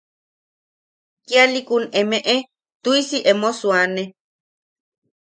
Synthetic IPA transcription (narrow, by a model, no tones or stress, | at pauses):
kialikunemẽʔe | t̪uisiʔemosuane